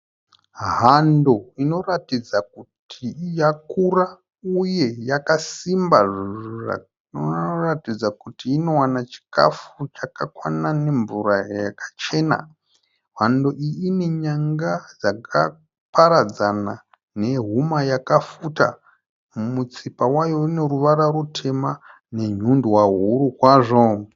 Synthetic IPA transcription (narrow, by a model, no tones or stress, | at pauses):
ɦando̞ino̞ratid͡zakutʰijakura | uje̞jakasimbaʐura̰ | ratid͡zakutiːno̞wanat͡ʃi̥ka̰fut͡ʃakakwanane̞ɱvuɾajakʰḁt͡ʃe̞ːna̰ | ɦandoʔiːne̞ɲaŋɡad͡zakʰa̰ | paɾad͡zana | ne̞ɦumajakafuta̰ | mut͡sipawajo̞ine̞ɾuʋaɾarutʰe̞ma | ne̞ɲundwaɦuɾukwaʐo̞